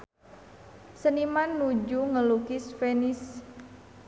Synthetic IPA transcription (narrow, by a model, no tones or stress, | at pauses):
sənimanːud͡ʒuŋəlukisfenis